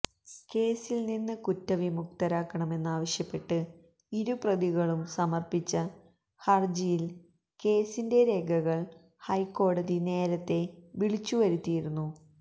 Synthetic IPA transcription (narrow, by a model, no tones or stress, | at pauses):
ke̞ːsilninːɨkutːɐʋimuk̚t̪ɐɾaːkːɐɳɐme̞nːaːʋɐɕjɐpːe̞ʈːɨ | iɾuprɐðiɣɐɭumsɐmɐrpit͡ɕːɐ | hɐrd͡ʑijil | ke̞ːsinde̞ɾe̞ːɡʱɐɣɐɭ | hɐjkːo̞ːɽɐðine̞ːɾɐt̪ːe̞ʋiɭit͡ɕːuʋɐɾut̪ːijiɾunːu